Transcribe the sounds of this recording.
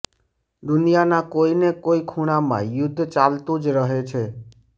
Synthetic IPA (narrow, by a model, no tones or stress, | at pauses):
d̪ʊnijanakoinekoikʰuɽ̃amã̰jʊd̪ʱːt͡ʃalt̪ũd͡ʒɾəɦet͡ʃʰe